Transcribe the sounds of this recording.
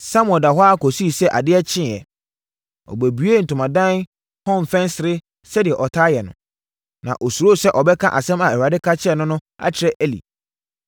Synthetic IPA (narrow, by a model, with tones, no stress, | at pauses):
sa˦mʊ̃˨ɛ̃˨da˨ɦɔ˦a˦kʰɔ˨si˦i˨sɛ˦ʔa̰˨dɪ˦ɛ˦t͡ɕʰɪ̃˦˨ɛ̰˨ | ɔ̰˨bæ˨bɥe˦n̩˨tʰʊ̃˨mã˨dã˦n | hɔ̃˦mfɛ̃˦nsɪ˨ɾɪ˦ | sɛ˦dɪ˨ɛ˨ʔɔ˨tʰaː˦jɛ˨nʊ̰̃˨ | nã̰˨ʔɔ˨su˨ɾo˦˨sɛ˦ʔɔ˨bɛ˦kʰã˦ʔa˨sɛ̃˦ma˨ɛ˨ɾa˨dɪ˦kʰa˦t͡ɕʰɪ˦ɛ˦˨nʊ̃˦nʊ̃˦a̰˦t͡ɕʰɪ˨ɾɛ˦ʔɛ˦lḭ˨